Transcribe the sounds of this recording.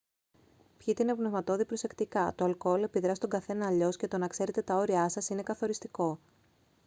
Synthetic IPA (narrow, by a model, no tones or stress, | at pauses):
pçit̪einepnevmɐt̪o̞ðipɾo̞se̞kt̪ikɐt̪oɐlko̞lepiðɾɐsit̪oŋɡɐθe̞nɐːʎo̞sce̞t̪o̞nɐkse̞ɾe̞t̪e̞t̪ɐo̞ɾiɐsɐsine̞kɐθo̞ɾist̪iko̞